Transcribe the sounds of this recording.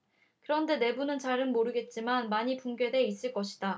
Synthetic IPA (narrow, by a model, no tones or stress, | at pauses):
kɯɾʌnde̞ne̞bunɯnt͡ɕaɾɯnmoɾɯɡe̞t̚t͡ɕ͈imanmaɲipuŋɡje̞de̞is͈ɯɭk͈ʌɕʰi̥d̥a